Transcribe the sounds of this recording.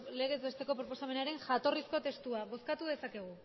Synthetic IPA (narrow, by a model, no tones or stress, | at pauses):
le̞ɣ̞e̞zβe̞st̪e̞ko̞pɾopo̞same̞naɾe̞ŋʝat̪o̞risko̞t̪e̞st̪uaβo̞skat̪uðe̞sake̞ɣ̞u